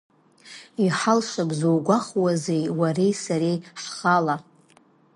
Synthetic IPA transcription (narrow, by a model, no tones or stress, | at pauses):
iħalʃabzowɡʷaχwazejwarejsaɾejħχala